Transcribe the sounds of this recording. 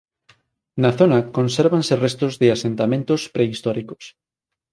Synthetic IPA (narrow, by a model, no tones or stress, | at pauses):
naθonɐkõnseɾβanserest̪ozðɪasent̪amẽnt̪ospɾeist̪ɔɾiko̥s